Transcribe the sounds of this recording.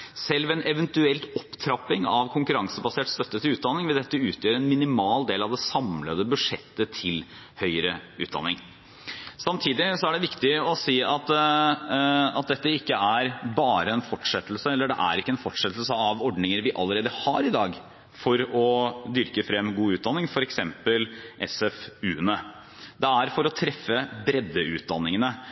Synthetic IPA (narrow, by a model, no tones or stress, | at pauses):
sɛlʋɛnɛʋənt̪ʉɛlt̪ɔpːt̪ʰɾɑpːɪŋɑʋkʰʊŋkʉɾɑŋsəbɑseːʈst̪œt̪ːət̪ɪlʉːt̪̚d̪ɑnːɪŋʋɪd̪ɛt̪ːəʉːt̪ʰjøːɾɛnmɪnɪmɑːld̪eːlɑʋd̪ɛsɑmləd̪əbʉʂɛ̰t̪ːət̪ʰɪl | hœʏəɾəʉ̰ːt̪d̪ɑ̰nːɪ̰ŋ | sɑmt̪ʰiːd̪ɪsɔæɖɛʋɪkt̪ɪɔsiːɑt̪ | ɑ̰t̪̚d̪ɛt̪ːəɪkːəæɾbɑːɾəɛnfɔʈːʂɛt̪ːl̩səɛlːəɖɛ̰ʔæ̰ɾɪkːəɛnfɔʈʂɛt̪ːlsəɑʋɔɖnɪŋəɾʋɪʔɑlːəɾeːd̪əhɑɾɪd̪ɑːɡ | fɔɾɔd̪ʏɾkəfɾɛmːɡuːʉːt̪̚d̪ɑnːɪŋfɔɾɛksɛmpəlʔɛsɛfʉːənə | d̪ɛæɾfɔɾɔt̪ʰɾɛfːəbɾɛd̪ːəʉ̰ːt̪̚d̪ɑnːɪŋənə